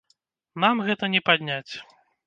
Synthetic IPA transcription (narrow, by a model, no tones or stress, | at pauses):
namɣɛt̪ɐnʲɛpad̪ʲnʲat͡sʲ